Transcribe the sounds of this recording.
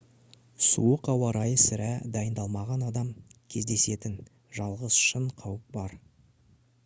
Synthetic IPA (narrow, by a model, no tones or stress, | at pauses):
sṵəqɑwɑɾɑjəsɪɾæd̪ɑjənd̪ɑlˠmɑʁɑnɑd̪ɑmkʲʰe̞zd̪e̞se̞t̪ɪn | ʒɑlˠʁəz̥ʃəɴqʰɑwəp̚bɑɾ